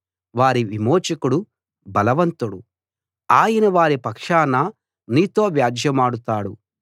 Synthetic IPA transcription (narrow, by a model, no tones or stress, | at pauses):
ʋaːɾiʋimoːt͡ʃɐkuɽu | bɐlɐʋɐnt̪uɽu | aːjɐnɐʋaːɾipɐkʂaːnɐ | niːt̪o̞ːʋjaːd͡ʒjɐmaːɽut̪aːɽu